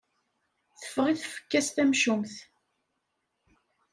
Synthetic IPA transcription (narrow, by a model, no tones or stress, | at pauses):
θə̥fːəʁiθfə̥kːæst̪æmʃumθ